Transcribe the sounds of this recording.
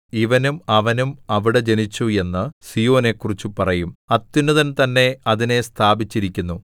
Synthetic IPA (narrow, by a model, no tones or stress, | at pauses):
iʋɐnumɐʋɐnumɐʋiɽe̞d͡ʑe̞nit͡ɕːue̞nːɨsijo̞ːne̞kːurit͡ɕːupɐrɐjumɐt̪ːunːɐðɐnt̪ɐnːe̞ɐðine̞st̪ʰaːbit͡ɕːiɾikʲːunːu